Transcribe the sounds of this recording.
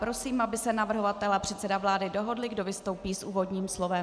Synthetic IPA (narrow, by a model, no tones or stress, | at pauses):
pɾo̞siːmabɪsɛnavr̩ɦo̞vat̪ɛlapr̝̥ɛt̪sɛdavlaːdɪdo̞ɦo̞dlɪɡdo̞vɪst̪o̞wpiːsʔuːvo̞dɲiːmslo̞vɛm